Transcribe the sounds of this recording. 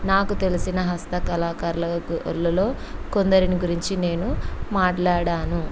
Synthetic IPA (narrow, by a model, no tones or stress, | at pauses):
naːkut̪e̞lisinɐɦɐst̪ɐkɐlaːkaːɾɐlɐlːɐlo̞ː | kond̪ɐɾiniɡuɾiɲt͡ʃine̞ːnumaːʈlaːɽaːnu